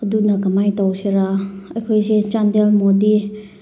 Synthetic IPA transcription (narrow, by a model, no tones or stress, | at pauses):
ɐdunɐkɐmajtawseɾaɐjkʰojset͡ʃandelmodi